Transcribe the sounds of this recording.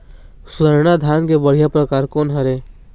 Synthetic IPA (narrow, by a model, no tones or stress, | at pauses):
sʊd̪aɾnad̪ʱjaːnkebəɽ̤ijapɾəkaːɾkɔːnɦɐɾeː